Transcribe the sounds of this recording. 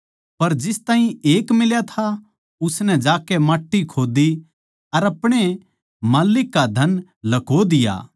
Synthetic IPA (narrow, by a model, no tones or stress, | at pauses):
pɐɾd͡ʒɪst̪ãːɦĩeːkmɪljat̪ʰa | ʊsnɛ̃d͡ʒaːkɛmaːʈːikʰoːd̪i | ɐɾɐpɽ̃e | maːlɪkːad̪ʱɐn | lɐkod̪ɪja̰ː